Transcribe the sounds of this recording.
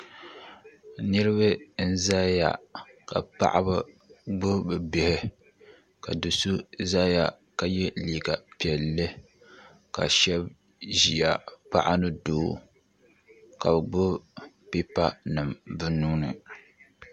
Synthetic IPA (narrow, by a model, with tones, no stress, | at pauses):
nɨ˦ɾɨ˦βɨ˦n̩˦za˦ja̰˨ka̰˨pa̰˦ʔa˦bɨ˦ | ɡ͡bʊ˦bɨ˨bɪ˦hɪ˦ | ka˨dɨ˨su˦za˦ja˨ | ka˨jɛ˦liː˨ɡa˨pi˨ɛ˨lːɨ˦ | ka̰˨ʃɛ˦b | ʒi˨a˨pa̰˦ʔa˦nɨ˦doː˦ | ka˨bɡ͡bʊ˦ | pi˦pa˦nɨ˨mbɨ˦nuː˦nɨ̰˨